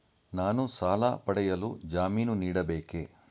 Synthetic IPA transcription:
naːnusaːlɐ̰pɐɽɛjɐlṵd͡ʒaːmiːnuniːɽɐbeːke

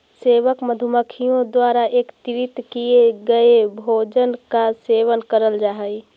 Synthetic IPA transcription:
seːʋəkməd̪ʱuməkʰijõd̪waːɾaeːkt̪ɪɾɪt̪kieɡɐebʱoːd͡ʒənkaseːʋənkəɾəld͡ʒaːɦəi

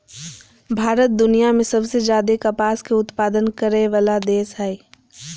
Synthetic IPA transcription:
bʱaːɾət̪̚d̪ʊnijamẽsɐbsed͡ʒjaːd̪ekɐpaːskeʊt̪paːd̪ənkɐɾeʋaːlad̪eːsɦae

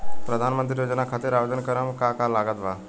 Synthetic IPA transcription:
pɾəd̪ʱaːnmənt̪̬ɾijoːd͡ʒnakʰat̪eɾaʋed̪ənkəɾəmkakalaːɡət̪ʋa

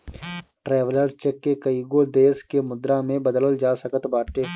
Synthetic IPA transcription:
ʈɾɛːʋələɾt͡ʃəkːekɐiːɡoːd̪eːskemʊd̪ɾãːmẽbɐd̪ələld͡ʒaːsəkət̪baːʈeː

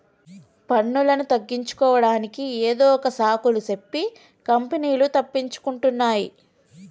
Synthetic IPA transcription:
pɐɳːulɐnut̪ɐɡːiɲt͡ʃu̥kɔːʋɐɽaːnikieːd̪ɔːɔkɐsaːkulusepːi | kɐmpeniːlut̪ɐpːiɲt͡ʃu̥kuɳʈunːaːjḭ

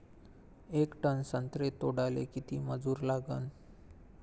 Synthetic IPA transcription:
ekʈənsənt̪ɾet̪oɽalḛkit̪iːməd͡zuːɾlaɡən

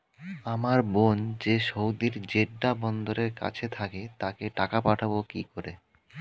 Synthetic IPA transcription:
amaɾbond͡ʑeʃowd̪iɾd͡ʑeɖɖabɔnd̪oɾeɾka̰t͡ɕʰet̪ʰaket̪akeʈakapaʈʰabokikoɾe

